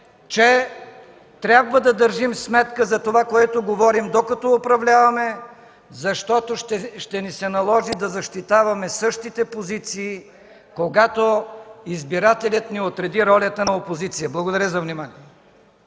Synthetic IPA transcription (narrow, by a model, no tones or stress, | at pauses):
t͡ʃɛ | t̪ɾʲabvəd̪ɐd̪əɾʒimsmɛt̪kəzɐt̪ovakoɛt̪oɡovɔɾimd̪okɐt̪ɔopɾɐvlʲavɐmɛ | zɐʃt̪ɔt̪oʃɛʃt̪ɛnisɛnɐlˠɔʒid̪ɐzɐʃt̪it̪avɐmɛsɤʃt̪it̪ɛpozit̪siː | koɡat̪oizbiɾat̪ɛlʲɐt̪niot̪ɾɛd̪iɾɔlʲət̪ənɐopozit̪sijəblˠɐɡod̪ɐɾəzɐvnimaniɛ